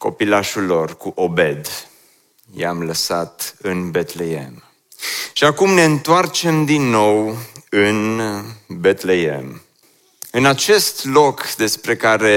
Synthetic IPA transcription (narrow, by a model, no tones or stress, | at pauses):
ko̞̰pilaʃulːo̞rkuʔobe̞d̪ | ja̰mləsat̪ɨnbet̪lejḛm | ʃiakumne̞ɨnt̪oart͡ʃe̞md̪inːo̞wɨn | bet̪lejḛm | ɨnat͡ʃe̞st̪lo̞kd̪e̞spɾe̞kaɾe̞